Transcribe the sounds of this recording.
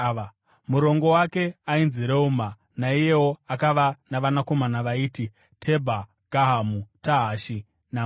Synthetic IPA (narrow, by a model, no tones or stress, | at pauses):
muɾo̞ŋɡo̞wake̞ainziɾeuma | naije̞wo̞akaʋanaʋanako̞manaʋaiːti | tʰe̞bʱa | ɡ̥ʱaɦamutaɦaʃi | na